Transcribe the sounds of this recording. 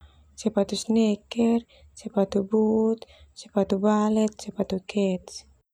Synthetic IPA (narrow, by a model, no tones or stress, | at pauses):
sɛpat̪usnɛkɛr | sɛpat̪ubut̪̚sɛpat̪ubalɛt̪̚sɛpat̪ukɛt̪s